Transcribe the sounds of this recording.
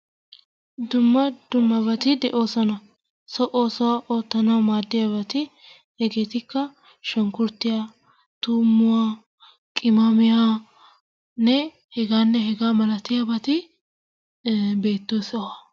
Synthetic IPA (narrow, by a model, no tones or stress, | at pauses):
d̪ʊmːɐd̪̥ʊmːɐbɐt̪ɪd̪ɛʔo̞ːsɔnɐ | sɔʔoːsɔwaʔo̞ːt̪ːɐnɐwmaːd̪ːɪjɐbɐt̪ɪ | hɛɡe̞ːt̪ɪkːɐ | ʃɐŋkʊɾt̪ːɪja | t̪uːmːʊwa | kʼɪmamɪja | nɛ | hɛɡaːnːɛhɛɡaːmɐlɐt̪ɪjabɐt̪ɪ | be̞ːt̪ːoːswɐ